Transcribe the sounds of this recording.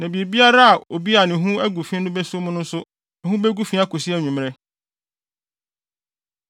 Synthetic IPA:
nã˨bi˨e˨bi˦a˦ɾa˦a˨o˨bi˦a˨nɪ̃˨ɦũ˦æ˦ɡu˨fĩ˦nʊ̃˦bɛ˦sʊ˦mʊ̃˦nʊ̃˦n̩˦sʊ˦ | ɛ˨ɦũ˦bɛ˦ɡu˦fĩ˦a˦ko˨si˦ɛ˦ɲᶣũ˨mɾɛ˦

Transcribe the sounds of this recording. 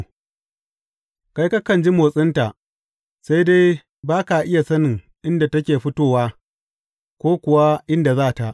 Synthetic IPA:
ka˦jka˦kɐ˨nd͡ʒi˦moː˨sʼɪ˦nta˨ʔ | sa˦jde˦j | baː˦ka˨ʔɪ˦ja˨sɐ˦nɪ˨ŋ | ʔɪ˦nda˨tɐ˦kʲeː˨ɸɪ˦toː˦waː˦ | kʷoː˦kʷʊ˨wa˦ʔɪ˦nda˨zaː˦˨ta˨ʔ

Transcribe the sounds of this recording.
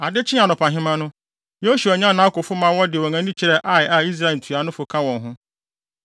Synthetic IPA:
a˨dɪ˦t͡ɕʰɪ̃˦a˨nʊ̃˨pʰã˨ɦɪ̃˦mã˦nʊ̃˦ | jo˦ɕu˨a˨ɲã˦nã˦kʊ˨fʊ˦mã˦wɔ˦dɪ˨ɔ̃˨ŋã˦n˦ĩ˦t͡ɕʰɪ˨ɾɛ˦ʔa˦˨ja˨i˦s̬ɾa˦e˨n̩˨tʰu˨a˨nʊ̃˦fʊ˨kʰã˦wɔ̃˨nɦʊ̃˦

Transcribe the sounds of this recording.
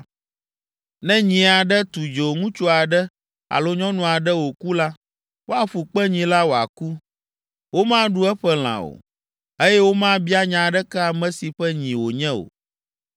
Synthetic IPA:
nɛ̃˦ɲĩ˨a˨ɖɛ˦t̪u˨d͡ʒo˨ŋũ˦t͡ʃo˦a˨ɖɛ˦ | a̰˨lo˦ɲɔ̃˦nũ˨a˨ɖɛ˦wo˨ku˦la˦ | wo˦a˨ɸu˨k͡pɛ˦ɲĩ˨la˦wo˨a̰˨ku˦ | wo˦mã˦ɖu˦ɛ˦ɸɛ˦l̃ã̰˨o̰˨ | e˦jɛ˦wo˦mã˦bi˦a˦ɲã˨ɖɛ˦kɛ˦a˨mɛ̃˨si˨ɸɛ˦ɲĩ˨wo˨ɲɛ̃˦o̰˨

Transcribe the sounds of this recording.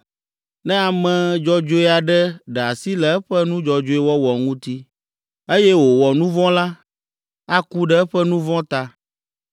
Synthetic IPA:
nɛ̃˦a˨mɛ̃˨d͡ʒɔ˦d͡ʒo˦i˦a˨ɖɛ˦ɖɛ˨a˨si˦lɛ˨ɛ˦ɸɛ˦nũ˦d͡ʒɔ˨d͡ʒo˦i˦wɔ˦wɔ˨ŋũ˦t̪i˦ | e˦jɛ˦wo˨wɔ˨nũ˦vɔ̃˦la˦ | a˦ku˦ɖɛ˦ɛ˦ɸɛ˦nũ˦vɔ̃˦t̪a˦

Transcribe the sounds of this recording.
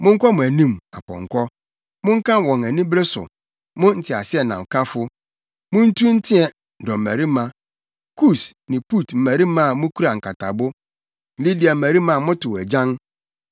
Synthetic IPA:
mʊ̃˦ŋ̩˦kɔ˦mʊ̃˨æ˨nĩ˦ma˨pɔ̰̃˨ŋ̩˨kʰʷɔ˦ | mʊ̃˦ŋ̩˦kã˦˨wɔ̃˨ŋæ˨nĩ˦bɾe˦sʊ̰˨ | mʊ̃˦n̩˨tʰɪ˨a̰˨sɪ˦ɛ˦˨nã˨m̩˨kʰa˦fʊ˦ | mʊ̃˦n̩˦tʰu˦n̩˦tʰɪ̃˦ɛ˨ | n̩˨dɔ˨m̩˨mæ˨ɾi˦mã˦ | kʰu˦˨snɪ̃˨pu˦˨tm̩˨mæ˨ɾi˦mã˦˨mʊ̃˦kʰu˦ɾa˨ŋ̩˨kʰa˨tʰa̰˨bʊ˦˨ | li˦di˨a˨m̩˦˨æ˨ɾi˦mã˦˨mʊ̃˦tʰʊ˨æ˨d͡ʑã˦ŋ

